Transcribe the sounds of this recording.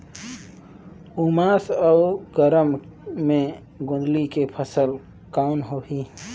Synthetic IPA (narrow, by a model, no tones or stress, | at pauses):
umasəʊɡəɾəmːẽ | ɡõnd̪likepʰəsəl | kanɦoɦi